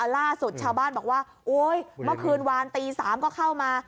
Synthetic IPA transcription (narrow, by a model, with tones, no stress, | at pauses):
laː˥˩su˨˩t̪̚t͡ɕʰaː˧wbaː˥˩nbɔː˨˩waː˥˩ | ʔoː˦˥jmɯ˥˩kʰɯː˧nwaː˧nt̪iː˧saː˩˦mkɔː˥˩kʰa˥˩wmaː˧